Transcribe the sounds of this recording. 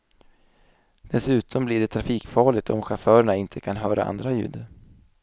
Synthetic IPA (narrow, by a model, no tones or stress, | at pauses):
d̪̥ɛsʉ̟ːt̪ʰɔmblɪːɖɛt̪ʰɾafiːkfɑːɭɪt̪ɔ̰mɧafœːɾəɳaɪnt̪ʰəkʰanɦœːɾʔa̰ʔa̰nd̪ɾajʉ̟̰ːd̪